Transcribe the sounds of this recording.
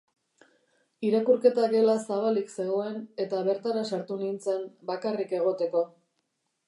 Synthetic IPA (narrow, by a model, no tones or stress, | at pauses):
iɾakuɾke̞t̪aɡe̞lasaβ̞alikse̞ɣo̞e̞ne̞t̪aβe̞ɾt̪aɾasaɾt̪unint͡sembakarike̞ɣ̞o̞t̪e̞ko̞